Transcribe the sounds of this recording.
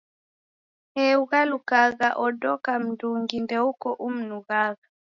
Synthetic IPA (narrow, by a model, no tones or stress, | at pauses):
ɛuɣalukaɣaʔɔdɔkam̩nduŋɡindɛukɔʔum̩nuɣaɣa